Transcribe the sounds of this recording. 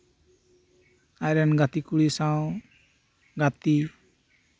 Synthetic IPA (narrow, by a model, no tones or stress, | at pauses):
ajɾanɡat̪ikuɭisaw̃ | ɡat̪i